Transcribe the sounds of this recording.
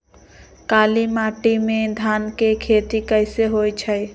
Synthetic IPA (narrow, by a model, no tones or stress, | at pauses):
kalimaʈimẽd̪ʱankekʰet̪ikəɪseɦojt͡ʃʰəj